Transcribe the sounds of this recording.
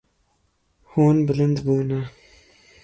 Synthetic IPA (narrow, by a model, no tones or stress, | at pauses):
huːnbɪlɨnd̪buːna